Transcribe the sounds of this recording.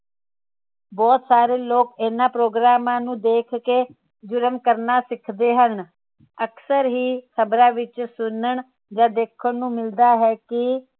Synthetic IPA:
bɔːt̪saːɾeːloːkenãːpɾoːɡɾaːmãːnũːd̪eːkʰkeː | d͡ʒʊɾəmkəɾnaːsɪkʰd̪eːɦən | əksəɾɦiːkʰəbɾãːʋɪt͡ʃsʊnəɳ | d͡ʒãːd̪eːkʰəɳnũːmɪld̪aːɦɛːkɪ

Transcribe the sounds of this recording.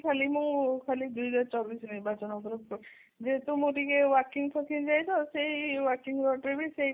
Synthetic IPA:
kʰalimũkʰalid̪ujd͡ʒaɾt͡ʃɔbisniɾbat͡ʃɔnɔpɔɾɔk | d͡ʒeɦet̪umũʈikewakiŋtʰɔkʰĩd͡ʒajtʰɔsejwakiŋɾɔʈɾebise

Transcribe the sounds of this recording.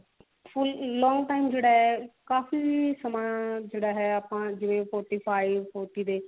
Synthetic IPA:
fʰʊlːɔːŋɡʈaːimd͡ʒeːɽaːɦɛːkaːfiːbisəmãːd͡ʒeːɽaːɦɛːaːpãːd͡ʒɪʋẽːpʰɔːɾʈiːpʰaːiʋpʰoːɾʈiːd̪eː

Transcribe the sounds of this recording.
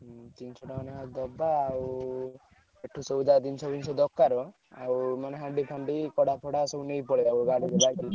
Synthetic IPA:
t̪int͡ʃʰɔʈamanaɦad̪ɔbaːw | eʈʰːusɔbud͡ʒat̪insʰɔbinsʰɔd̪ɔkːaɾɔ | a̰wmaneɦãɳɖipʰaɳɖikɔɽapʰɔɽasɔbunejpɔɭeawɡalikebaʈi

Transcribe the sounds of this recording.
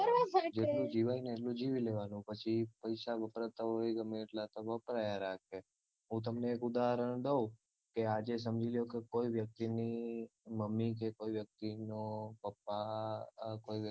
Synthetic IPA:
əɾʋaəd͡ʒelũd͡ʒiʋaineːʈlũd͡ʒiʋileʋanũpət͡ʃʰipəjʃaʋəpɾət̪aɦojɡəmieʈlat̪oʋəpɾajaɾak̚ʰe | ɦũt̪̬əmneːkud̪aɦəɾəɳ̃d̪əũ | kead͡ʒes̬əmd͡ʒiljokekoiʋjək̚t̪iniməmːik̬ekoiʋjək̚t̪inopəpːa | koiə

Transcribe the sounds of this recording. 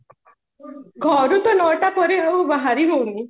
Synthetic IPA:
ɡʱɔɾut̪ɔnɔʈapɔɾeawbaɦaɾiɦowni

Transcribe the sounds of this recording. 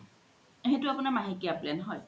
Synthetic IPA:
ɦetʊapʊnaɹmaɦikijaplɛnɦɔj

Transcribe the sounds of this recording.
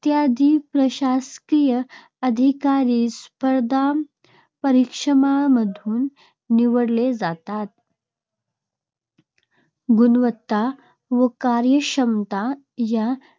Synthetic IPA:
t̪jad̪iːpɾəɕaskɾijə | əd̪ʱikaɾiːspəɾd̪ʱam | pəɾikʂəmaməd̪ʱuːnː | iʋəɽled͡zat̪at̪̚ | ɡunʋət̪ːa | ʋəkaɾjəɕəmt̪a | ja

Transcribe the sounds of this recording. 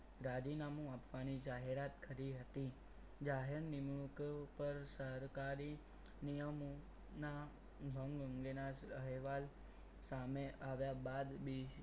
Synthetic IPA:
ɾad͡ʒinamũapʰʋanid͡ʒaɦeɾat̪kʰəɾiɦət̪i | d͡ʒaɦeɾnimɳukpəɾsəɾkaɾi | nijəmu | na | dʱəŋɡəŋɡlenaɾəɦeʋal | sameaʋjabad̪bi

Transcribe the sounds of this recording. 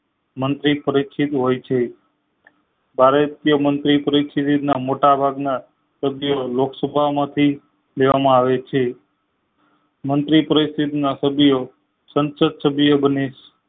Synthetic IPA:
mənt̪ɾipəɾisʰit̪ɦojt͡ʃʰe | bʱaɾet̪jəmənt̪ɾipəɾisit̪namoʈabʱaɡna | səbʱjoloksəbʱamãt̪ʰi | leʋamãaʋet͡ʃʰe | mənt̪ɾipəɾisit̪nasəbʱjo | sənt͡ʃət̪səbjəbəneʃ

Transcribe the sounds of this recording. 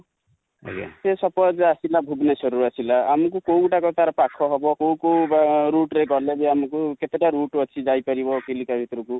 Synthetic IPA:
sesɔpɔɔd͡ʒasilabʱubnasɔɾuɾasilaːmɔk̬ukowʈakɔt̪aɾɔpakʰɔɦebɔkowkowbaɾuʈɾekɔlebiamɔkuket̪eʈaɾuʈɔt͡ʃʰid͡ʒajpaɾibɔkilikabʱit̪ɔɾɔku

